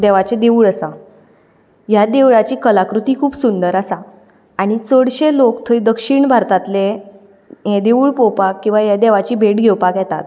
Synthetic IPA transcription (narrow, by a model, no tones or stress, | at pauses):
d̪ɛʋat͡ɕed̪euɭəsa | jad̪eʋɭat͡ɕiːkəlakɾut̪iːkʰuːbsund̪əɾasa | aɽ̃it͡səɽɕelokt̪ʰəid̪əkʂiɳbʱaɾt̪at̪le | jẽd̪euːɭpowpakːĩw̃ʋajad̪eʋat͡ɕiːbʱeʈɡʱewpakjɛt̪a̰t̪